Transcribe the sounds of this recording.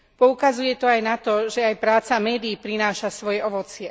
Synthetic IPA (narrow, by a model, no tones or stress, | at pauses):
pɔukazujɛt̪ɔajnat̪ɔʒɛajpɾaːt͡samɛːd̪iːpɾinaːʃasʋɔjɛɔʋɔt͡sɪɛ